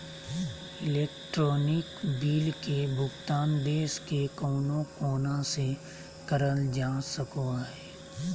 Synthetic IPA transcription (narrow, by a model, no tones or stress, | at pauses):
ɪleːkʈɾɔːnɪkbiːlkebʱʊɡt̪aːnbeːskekɔːnõkoːnase | kəɾəld͡ʒaːsəkoaɦɛː